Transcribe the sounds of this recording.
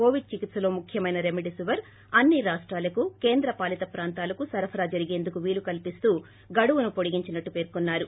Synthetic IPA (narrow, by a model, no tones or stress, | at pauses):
koːʋiɖ̚t͡ʃikit̪sɐlo̞ːmukʰjɐmɐjnɐɾemiʈisuʋɐɾ | ɐnːiɾaːʂʈɾaːlɐkuke̞ːnd̪ɾɐpaːlit̪ɐpɾaːnt̪aːlɐkusɐɾɐpʰɐɾaːd͡ʒɐɾiɡe̞ːnd̪ukuʋiːlukɐlpist̪uː | ɡɐɽuʋunupoɽiɡiɲt͡ʃinɐʈːupe̞ːɾkunːaːɾu